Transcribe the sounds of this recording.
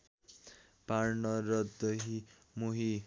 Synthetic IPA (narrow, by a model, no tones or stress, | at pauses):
paɾnʌɾʌd̪ʌɦi | muɦi